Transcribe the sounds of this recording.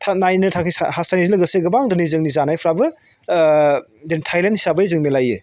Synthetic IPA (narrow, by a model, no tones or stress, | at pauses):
tʰanajnɯtʰakʰisa̰hasanizilɐɡɯseɡɯbaŋdɯnizɯŋnizanajpʰɾabɯ | dentʰajlenthi̥sabɐjzɯŋmelajɯ